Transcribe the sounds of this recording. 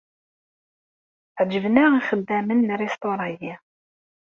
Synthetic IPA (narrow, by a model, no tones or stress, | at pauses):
ʕd͡ʒəvnəʁiχəd̪ːæmənːrest̪oɾˤɑji